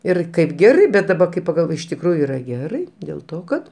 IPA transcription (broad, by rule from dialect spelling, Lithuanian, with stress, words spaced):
ˈɪr ˈkɐɪp ˈɡʲæːrɐɪ bʲɛt dɐˈbɐ kɐɪ pɐɡɐlˠˈʋoːj ɪʃ tʲɪkˈruːjʊ ˈiːrɐ ˈɡʲæːrɐɪ dʲeːlˠ ˈtoː ˈkɐt